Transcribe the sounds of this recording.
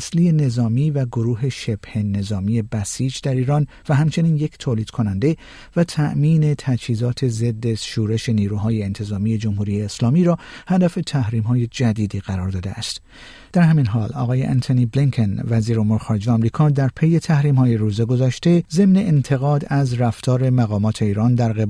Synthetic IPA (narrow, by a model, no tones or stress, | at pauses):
slije̞ne̞zɒːmiːvæɡoɾuːɦe̞ʃe̞b̥he̞ne̞zɒːmiːje̞bæsiːd͡ʒd̪æɾiːɾɒːn | væɦæmt͡ʃʰe̞niːnje̞ct̪ʰoːliːd̪̥kʰonænd̪e̞ | væt̪ʰæʔmiːne̞t̪ʰæt͡ʃhiːzɒːt̪ʰe̞ze̞d̪ːeʃuːɾe̞ʃe̞niːɾuːɦɒːjeːnt̪ʰe̞zɒːmije̞d͡ʒomhuːɾijeːslɒːmiːɾɒːhæd̪æfe̞t̪ʰæhɾiːmɦɒːje̞d͡ʒæd̪iːd̪iːɣ̥æɾɒːɾd̪ɒːd̪eæ̰st̪ | d̪̥æɾhæminɦɒːlɒ̰ːɣɒːje̞ʔæ̰nt̪ʰoniːbliŋkʰenvæziːɾomuːɾexɒːɾe̞d͡ʒejɒmɾiːkʰɒːd̪æɾpʰeje̞t̪ʰæhɾiːmhɒːje̞ɾuːzeɡo̞zɒːʃt̪e̞ze̞mne̞ʔent̪ʰe̞ɣɒːd̪æzræft̪ʰɒːɾe̞mæɣɒːmɒːt̪ʰe̞iːɾɒːnd̪æɾɣeb